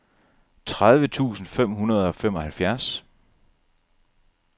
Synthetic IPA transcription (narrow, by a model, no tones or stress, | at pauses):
t͡sʰʁað̞ˠʋət͡sʰṵːsn̩fem̰ɦunɐð̞ˠɒ̽fem̰ɒ̽hælfjæɐs